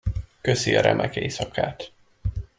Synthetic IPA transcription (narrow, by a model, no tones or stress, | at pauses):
kø̞siɒɾɛmʔɛkeisɒkʰaːt̪